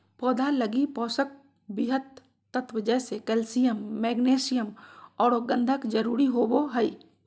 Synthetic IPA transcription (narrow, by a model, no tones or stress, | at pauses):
pɔːd̪ʱaləɡipɔːsək̚ | bɪɦət̪ː | ət̪ʋəd͡ʒɛsekɛːlsijəmːɛːɡneːsɪjəmɔːɾoɡə̃nd̪ʱəkd͡ʒəɾuːɾiɦoːboɦəiː